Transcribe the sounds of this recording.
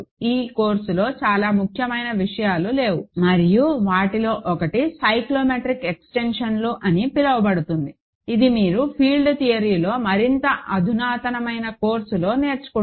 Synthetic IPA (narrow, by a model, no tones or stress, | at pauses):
iːko̞ːɾsulo̞ːt͡ʃaːlaːmukʰjɐmɐjnɐʋiʂɐjaːlule̞ːwumɐɾijuʋaːʈilo̞ːʔɔkɐʈisɐjkloːmeʈɾikeksʈe̞nʂɐnloːʔɐnipilɐʋɐbɐɽut̪und̪i | id̪imiːɾupʰiːlɖt̪ijɐɾiːlo̞ːmɐɾint̪ɐʔɐd̪ʱunaːt̪ɐnɐmɐjnɐko̞ːɾsulo̞ːne̞ːɾt͡ʃu̥ku